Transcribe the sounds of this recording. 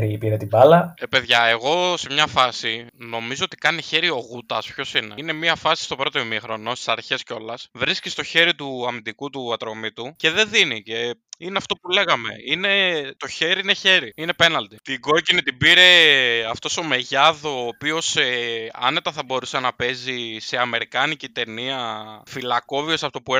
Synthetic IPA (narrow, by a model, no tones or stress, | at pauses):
ɾipiɾet̪ibɐlɐepe̞ðʝɐe̞ɣo̞se̞mɲɐfɐsino̞mizo̞ot̪i̥kɐniçe̞ɾio̞ɣut̪ɐspço̞sinene̞miɐfɐsi̥st̪o̞pɾo̞t̪o̞mimixɾo̞no̞st̪i̥sɐɾçe̞sceo̞lɐsvɾiscist̪o̞çe̞ɾit̪uɐmind̪ikut̪uɐt̪ɾo̞mit̪uce̞ðe̞ðinice̞ineɐft̪o̞pule̞ɣɐme̞̰ine̞t̪o̞çe̞ɾiine̞çe̞ɾiine̞pe̞nɐlt̪it̪iɡo̞cinit̪ibiɾe̞ɐft̪o̞so̞me̞ʝɐðoːpio̞seɐ̰ne̞t̪ɐθɐbo̞ɾusenɐpe̞zise̞ɐme̞ɾikɐnicit̪e̞niɐfilɐko̞vio̞sɐft̪opue